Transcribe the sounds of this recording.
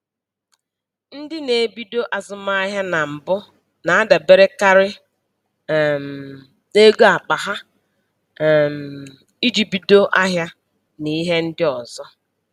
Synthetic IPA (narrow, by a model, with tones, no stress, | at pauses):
n̩˦dɪ˦ne˨bi˦do˦ʔa˨zʊ˨ma˦a˦ɦja˦na˨m̩˨bʊ˦ | na˨a˦da˨be˦ɾe˦ka˦ɾɪ˦˨ | m̩˨ | e˦ɡo˦a˨k͡pa˨ɦa˦˨ | m̩˨ | i˦d͡ʒi˨bi˨do˦ʔa˦ɦja˦ | ni˦ɦe˦n̩˦dɪ˦ɔ˨zɔ˦